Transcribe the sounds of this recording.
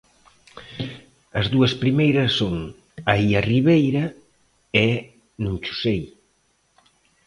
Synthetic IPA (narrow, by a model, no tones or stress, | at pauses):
ɐzðuɐspɾimejɾɐsːoŋ | aiɐriβejɾɐ | ɛ | nũŋt͡ʃu̥sej